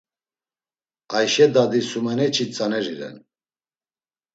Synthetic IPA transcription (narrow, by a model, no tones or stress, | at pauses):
ajʃɛd̪ad̪isumɛnɛt͡ʃʰit͡sʼanɛɾiɾɛ̰n